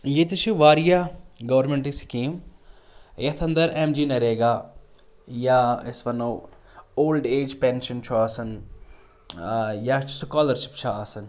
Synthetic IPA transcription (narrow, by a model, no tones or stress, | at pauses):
jit̪it͡ʃʰuʋaːɾijaɡɐʋəɾmẽɳʈiskiːm | jɐt̪ʰɐ̃nd̪ɐɾemd͡ʒinɐɾeːɡaː | jaɪsʋɐnoː | oːlɖeːd͡ʒpeːnʃɐnt͡ʃʰuaːsɐn | jat͡ʃʰu̥sukaːləɾʃi̥p̚t͡ʃʰaaːsɐn